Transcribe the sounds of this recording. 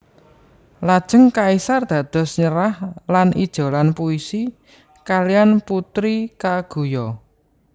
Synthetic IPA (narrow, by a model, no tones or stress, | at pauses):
lad̥ʒ̥ə̤ŋkaisard̪̥ä̤d̪̥ɔ̤sɲəɾahlanʔid̥ʒ̥o̤lanpuisi | kalianput̪ɾikaɡ̥ṳjɔ